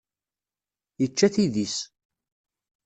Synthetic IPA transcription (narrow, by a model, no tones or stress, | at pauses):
jət͡ʃːæθiðis